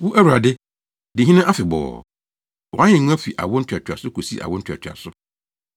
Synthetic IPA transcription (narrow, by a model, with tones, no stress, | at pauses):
wu˦ʔæ˦wu˨ɾa˨dɪ˦ | dɪ̃˨ɦi˦nã˦ʔa˦fɪ˨bɔ̰ː˨ | wɔ˨ã˦ɪ̃˨ŋ̃˦a˦fi˨ʔa̰˨wɔ˦n̩˦tʰᶣa˨tʰᶣa˨sʊ˦kʰo˨si˦ʔa̰˨wɔ̃˦n̩ʰᶣ˦˨a̰˨tʰᶣɪ˨a̰˨sʊ˦